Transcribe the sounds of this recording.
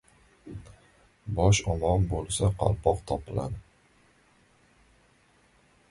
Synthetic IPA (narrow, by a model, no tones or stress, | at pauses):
bɒʃɒmɒnbolˠsaqʰɑ̰lˠpʰɒqt̪ʰɒpʰɪla̰d̪ɪ